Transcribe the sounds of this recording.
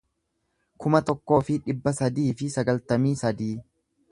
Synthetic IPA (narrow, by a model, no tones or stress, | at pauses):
kʊmɐt̪ɔkːo̞ːfɪᶑɪbːɐsɐd̪iːfɪsɐɡɐlt̪ɐmiːsɐd̪iː